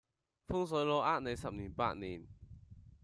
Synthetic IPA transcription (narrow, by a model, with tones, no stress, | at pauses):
fu˥˨ŋs̬ɔ˨˦jlɔ˧˦ʔa˥˨ne˨˧jsa˨p̚ni˨˩pa̰˧˨ʔni˨˩˨n